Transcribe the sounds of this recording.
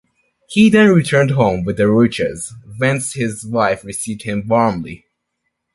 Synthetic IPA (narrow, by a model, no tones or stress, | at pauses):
hiðɨ̃nɹitʰɜ̃˞nd̚ɦõʊ̃mwɨðɨɹut͡ʃɨ̰zwɛ̃nshɪzwaɪfɹɨsivd̚hɪ̃mwɑɹmlḭ